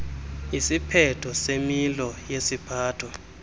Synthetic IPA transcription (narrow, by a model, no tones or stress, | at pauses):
isipʰɛtʰɔsemilɔjesipʰaːtʰɔ